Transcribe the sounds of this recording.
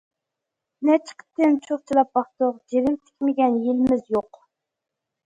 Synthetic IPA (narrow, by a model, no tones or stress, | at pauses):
nɛt͡ʃʰə̥qʰə̥t̪ʰɪnt͡ʃʰoχt͡ʃʰilˠɑp̚bɑχt̪oʁd͡ʒeɾɪmt̪ʰɪ̥kʲmɪɡʲɛnjelɪmɪzjoq